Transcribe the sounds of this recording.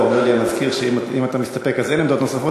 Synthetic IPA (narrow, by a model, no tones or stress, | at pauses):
omeʁliamazkiʁʃeimimat̪amist̪apekazenlemd̪ot̪nosafo